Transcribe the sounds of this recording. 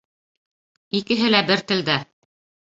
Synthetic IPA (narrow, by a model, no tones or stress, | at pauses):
ikɘ̆ɦɘlæbɘɾt̪ɘ̆ld̪æ